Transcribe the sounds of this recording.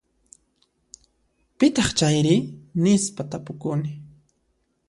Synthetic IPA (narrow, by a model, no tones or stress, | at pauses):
pɪt̪ɑχt͡ʃajɾɪnɪspat̪apʊkʊnɪ